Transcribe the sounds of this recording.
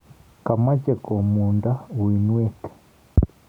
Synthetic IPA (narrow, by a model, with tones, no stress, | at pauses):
ka˨ma˦ce˨ko˨muː˨nda˦wi˨nwe˦te̥˨